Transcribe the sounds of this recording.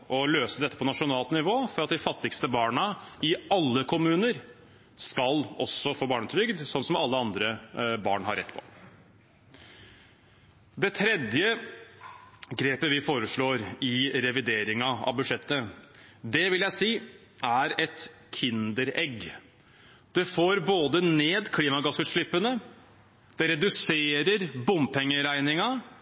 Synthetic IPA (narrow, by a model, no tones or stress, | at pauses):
ɔløːsəd̪ɛt̪ːəpʰɔnɑʂʊnɑːlt̪nɪʋoːfɔɾɑt̪̚d̪ɪfɑt̪ːɪkst̪əbɑːɳəɪɑlːəkʰʊmʉːnəɾ | skɑlɔsɔfoːbɑːɳət̪ʰɾʏɡd̪sɔnːsɔmɑlːəɑnd̪ɾəbɑ̰ːɳhɑ̰ɾɛ̰t̪ːpʰɔ̰ | d̪ɛt̪ʰɾɛd̪jə | ɡɾeːpəʋɪfoːɾəʂɭoːɾɪɾɛʋɪd̪eːɾɪŋɑɑ̰ʋbʉʂɛt̪ːəd̪ɛʋɪljæɪsiː | ʔæɾɛt̪ | kʰɪnd̪əɾɛɡ | d̪̥ɛfoːɾboːd̪əneːd̪kʰliːmɑɡɑsʉːt̪ʂɭɪpːənə | d̪̥ɛɾɛd̪ʉseːɾəɾbʊmpʰɛŋːəɾæɪnɪŋɑ